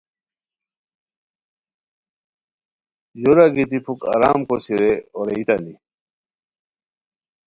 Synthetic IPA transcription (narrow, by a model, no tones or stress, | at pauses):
juɾaɡit̪ipʰuka̰ɾaːmkosiɾeoɾeit̪and̪i